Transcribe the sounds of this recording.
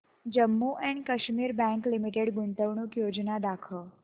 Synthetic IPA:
d͡ʒəmːuʔɛɳkəʃmiɾbɛ̃ŋklimiʈeɽɡʊɳt̪əʋɳukjod͡ʒnad̪akʰəɭ

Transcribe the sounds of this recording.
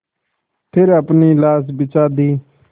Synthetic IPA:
p̪ʰeːɾəpniːlaːs̬bɪt͡ʃaːd̪iː

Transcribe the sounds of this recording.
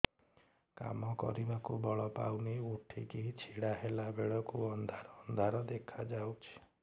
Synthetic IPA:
ka̰mɔkɔ̰ɾibakubɔɭɔpa̰wniuʈʰikeɦit͡ʃʰiɽaɦelabeɽɔkuɔnd̪ʱaɾɔnd̪ʱaɾɔd̪ekʰad͡ʒawt͡ʃʰi̥

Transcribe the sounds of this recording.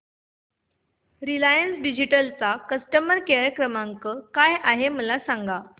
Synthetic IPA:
ɾilajənsɖid͡ʑiʈəlt͡sakəsʈəməɾkeɭekɾəmaŋkəːkajʔaɦeməlasaŋɡa

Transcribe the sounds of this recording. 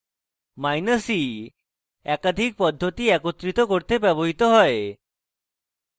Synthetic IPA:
majnəsi | ɛkad̪ʱik̚pɔd̪ʱːot̪iɛkot̪ːɾit̪okoɾt̪ebɛboɦit̪oɦɔe

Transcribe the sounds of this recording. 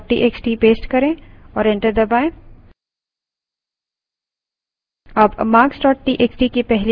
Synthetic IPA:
ʈḭʔeːksʈipeːsʈkɐɾẽɔːɾɛ̃ɳʈəɾd̪ɐbaːẽː | ɐbmaːksʈɔːʈʈːiʔeksʈikipɛɦl

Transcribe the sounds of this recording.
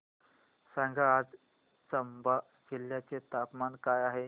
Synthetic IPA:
sãŋɡʱaːd͡z | t͡səmba | kilːjat͡set̪apmankajaɦe

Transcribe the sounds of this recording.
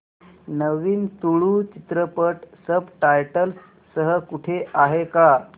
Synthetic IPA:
nəʋiːnt̪uɭuːt͡ɕit̪ɾəpəʈsəbʈajʈəlsː | əɦəkuʈʰeaɦeka

